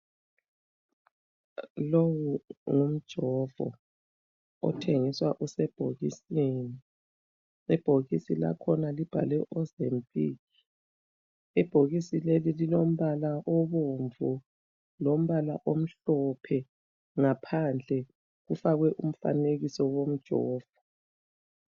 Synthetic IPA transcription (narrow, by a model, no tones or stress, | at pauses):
lowuŋum̩d̥ʒ̥ʱɔvɔ̰ | ɔ̰tʰeŋiswaʔusɛb̥ʱoɣisiːni | ɛb̥ʱoɣisila̰kʰɔnalib̥ʱa̰lɛʔɔzempʼiːɣi | ɛb̥ʱoɣisilelililom̩βalaʔɔβoɱvu | lom̩βala̰ʔom̩ɬɔpʰɛ | ŋapʰand͡ɮʱɛ | ɣufaɣwɛʔum̩fa̰neɣisɔwom̩d̥ʒ̥ʱɔ̰ːv̥ɔ